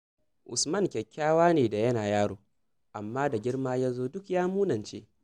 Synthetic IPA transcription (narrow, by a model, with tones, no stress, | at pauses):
ʔʊ̰˨smɐ˦˨ŋkʲɛ˨kʲːaː˦waː˦neː˨da˨jɐ˦naː˨jaː˦ɽoː˨ | ʔa˨mːaː˦da˨ɡʲɪ˦ɽmaː˦jaː˦zoː˦dʊ˦kjaː˦muː˦nɐ˨nt͡ʃḛː˦